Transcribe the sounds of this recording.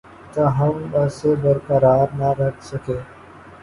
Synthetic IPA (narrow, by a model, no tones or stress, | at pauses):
t̪aːɦɐmʋɐsebəɾkəɾaːɾnaɾɐkʰsɐkeː